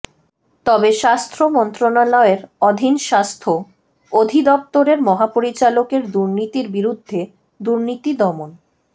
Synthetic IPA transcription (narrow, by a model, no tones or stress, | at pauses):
t̪ɔbeʃast̪ʰɾomɔnt̪ɾonalɔeɾɔd̪ʱinʃast̪ʰo | od̪ʱid̪ɔp̚t̪oɾeɾmɔɦapoɾit͡ɕalokeɾd̪uɾnit̪iɾbiɾud̪ʱːe | d̪uɾnit̪id̪ɔmon